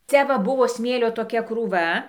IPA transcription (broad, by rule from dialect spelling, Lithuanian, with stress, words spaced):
ˈt͡sʲɛ ʋɐ ˈbʊʋoː ˈsʲmʲeːlʲoː toːˈkʲɛ kruːˈʋɐ